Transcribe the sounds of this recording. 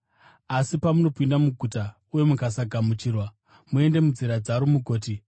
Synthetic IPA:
asipamuno̞pindamuɡʱuta | uje̞mukasaɡʱamut͡ʃiːrwa | mue̞nde̞mud͡ziɾad͡zaɾomuɡʱoːti

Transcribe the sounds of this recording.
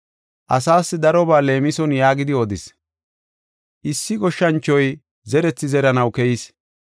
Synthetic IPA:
ʔɐsaːsːɪd̪ɐɾɔbaːle̞ːmɪsɔnjaːɡɪd̪ɪɔd̪ɪs | ʔɪsːɪɡɔʃːɐnt͡ʃːɔj | zɛɾɛt͡sːɪzɛɾɐnɐwkɛjis

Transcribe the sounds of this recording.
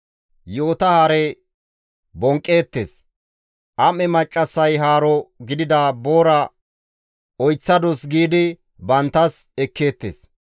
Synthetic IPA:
jo̞ːt̪ɐhɐɾɛ | bɔŋkʼːe̞ːt̪ːḛːs | ʔɐmɛmɐt͡ʃʼːɐsːɐjɦaːɾɔɡɪd̪ɪd̪aːbo̞ːɾɐ | ɔjt͡sːɐd̪ɔsɡiːd̪ɪ | bɐnt̪ːɐsɛkːeːt̪ːḛːs

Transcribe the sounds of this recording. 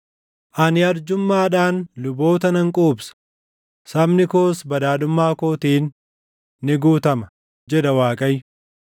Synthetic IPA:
ʔɐnɪɐɾd͡ʒʊmːaːᶑaːnlʊbo̞ːt̪ɐnɐŋkʼoːbsɐ̥ | sɐbnɪkoːsbɐd̪aːᶑʊmːaːkoːt̪iːnː | ɪɡuːt̪ɐmɐ | d͡ʒɛᶑɐwaːkʼɐj

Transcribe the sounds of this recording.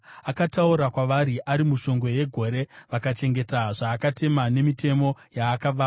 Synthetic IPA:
akatauɾakwaʋaɾiʔaɾimuʃo̞ŋɡo̞je̞ɡʱo̞ɾe̞ʋakat͡ʃe̞ŋɡe̞taʐaːkate̞mane̞mite̞mo̞jaːkaʋaː

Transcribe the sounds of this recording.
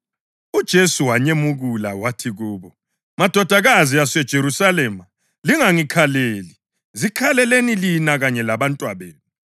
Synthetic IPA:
ud̥ʒ̥ʱesuwaɲemuɣula̰watʰiɣuːβɔ | mad̥ʱɔd̥ʱaɣaziasɛd̥ʒ̥ʱeɾusalɛma | liŋaŋikʰaleːli | zikʰalɛlenilinaɣaɲɛlaβantʼwaβeːnu

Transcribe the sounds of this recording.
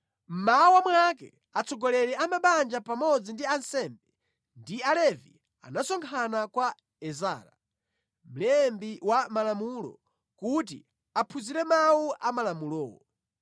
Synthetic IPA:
m̩mawamwakɛ̰ | at͡sʰɔɡɔlɛɾɛamaɓand͡ʒapamɔd͡zindiansɛmbɛ | ndialɛvi | a̰nasɔŋkʰanakwa | ɛzaːɾa̰ | m̩lɛmbiwamalamulɔ̰ | kutḭ | apʰuziɾɛmawuʔamalamulɔ̰ːɔ

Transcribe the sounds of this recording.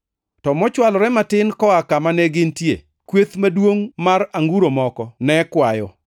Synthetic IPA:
tɔmɔt͡ʃwalɔɾɛmatɪnkɔakamanɛɡɪntjḛ | kwet̪madwoŋmaɾaŋɡuɾomɔkɔnɛkwajɔ

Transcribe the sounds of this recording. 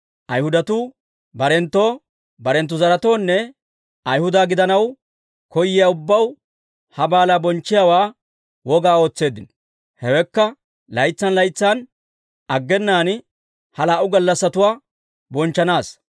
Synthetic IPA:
ʔɐjhʊd̪ɐt̪u | bɐɾɛnt̪ːo̞ː | bɐɾɛnt̪̬ːʊzɐɾɐt̪o̞ːnːɛ | ɐjhʊd̪aːɡɪd̪ɐnɐw | kɔjːɪjaʊbːɐw | hɐbaːlaːbɔnt͡ʃːɪjaːwaː | wɔɡaːo̞ːt͡sːe̞ːd̪ːɪnɔ | hɛwɛkːɐ | lɐjt͡sːɐnlɐjt͡sːan | ɐɡːɛnːaːn | hɐlaːʔʊɡɐlːɐsːɐt̪ʊwaː | bɔnt͡ʃːɐnaːs

